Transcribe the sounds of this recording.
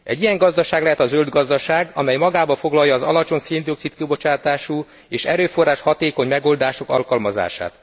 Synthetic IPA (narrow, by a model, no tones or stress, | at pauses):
ɛ̰ɟːijɛŋɡɒzd̪ɒʃaːɡlɛɦɛt̪ɒzøld̪ɡɒzd̪ɒʃaːɡɒmɛjmɒɡaːbɒfo̞ɡlɒjːɒːzɒ̰lɒt͡ʃo̞nseːnd̪io̞ksit̪kibo̞t͡ʃaːt̪aːʃuː | eːʃɛɾøːfo̞rːaːʃhɒt̪eːko̞ɲmɛɡo̞ːld̪aːʃo̞kɒ̰lkɒlmɒza̰ːʃa̰ːt̪